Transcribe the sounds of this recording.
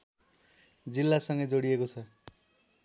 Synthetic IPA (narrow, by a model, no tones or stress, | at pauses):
d͡zilːasʌŋɡʌd͡zoɽijekot͡sʰʌ